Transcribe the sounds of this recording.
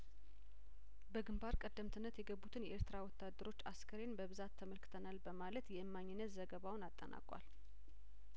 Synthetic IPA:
bəɡɨmbaɾkʼəd̪ːəmt̪ʰɨnːət̪jɛɡəbːut̪ʰɨnjɛʔeɾt̪ɨɾawɔt̪ːad̪ːəɾo̞t͡ʃːaskʰəɾe̞nbəβɨzat̪ʰːəməlkɨ̥t̪ʰənalbəmalət̪jɛʔɨmːaɲːɪnːət̪zəɡəβawʊnat̪ʼːə̰nʔa̰kʼʷa̰l

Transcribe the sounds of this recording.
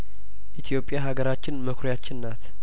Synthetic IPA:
ʔit̪ʰjo̞pʼːjaɦaɡəɾat͡ʃːɪnməkʰɾjat͡ʃːɪnːat̪

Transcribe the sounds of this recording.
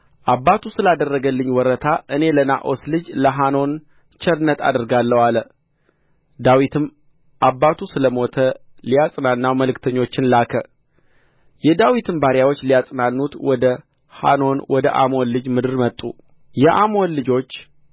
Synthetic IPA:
ʔaβːat̪ʰusɨlad̪ərːəɡəlːɨɲːwɔɾət̪ʰaʔɨne̞ləna̰ʔo̞slɨd͡ʒləɦano̞n | t͡ʃɛɾɨnːət̪ʰa̰d̪ɨɾɡalːəwalə | d̪awit̪ʰɨm | ʔaβːat̪ʰusɨləmo̞t̪ʰə | lijasʼnanːawməlɨkt̪ʰəɲːo̞t͡ʃːɪnlakʰə | jɛd̪awit̪ʰɨmbaɾjawot͡ʃːlijasʼnanːut̪wɔd̪ə | ha̰no̞nwɔd̪ə̰ʔa̰monlɨd͡ʒmɨd̪ɨɾmət̪ʼːu | jɛʔamo̞nlɨd͡ʒo̞t͡ʃː

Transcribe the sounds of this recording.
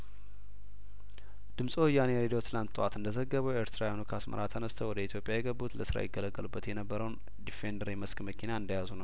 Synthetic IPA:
d̪̥ɨmsʼoɨjaneɾed̪wot̪ʰɨlant̪ʼːwat̪ɨnd̪əzəɡːəβəweɾt̪ʰɾajonukʰəasmə̰ɾat̪ʰənəst̪ʰəwɔd̪əit̪ʰjo̞pʼjajɛɡəbːut̪ləsɨɾa̰jɪɡːələɡːəlubːət̪jɛnəbːəɾəwn | d̪ifend̪əɾiməskməkʰinaɨnd̪ajazunəw

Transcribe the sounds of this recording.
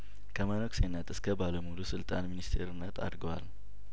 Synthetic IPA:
kʰəmənoksenːət̪ɨskʰəbaləmulusɨlt̪ʼanminist̪ʰe̞ɾɨnːət̪ʰa̰d̪ɡəwa̰l

